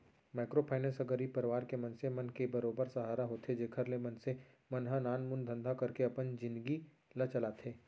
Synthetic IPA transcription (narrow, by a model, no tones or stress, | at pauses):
maːɪkɾoːpʰaːɪnẽsɐɡəɾipɐɾɪʋaːɾkemɐ̃nsemɐnkebɐɾoːbəɾsɐɦaːɾaɦoːt̪ʰed͡ʒeːkʰəɾlemɐnse | mɐnɦanaːnmʊnd̪ʱə̃nd̪ʱakɐɾkeɐpənd͡ʒɪ̃nd̪ɡi | lɐt͡ʃɐlat̪ʰeː